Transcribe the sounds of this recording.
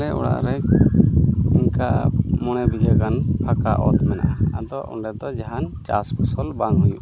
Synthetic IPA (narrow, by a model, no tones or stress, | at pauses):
ɾɛʔɔ̰ɽa̰ʔɾɛ | iŋkamɔɽ̃ɛbiɡakanpʰakaʔɔt̪mɛna̰ʔaad̪ɔʔṵɳɖɛd̪ɔd͡ʒaɦant͡ʃaspʰusɔlbaŋɦujuʔ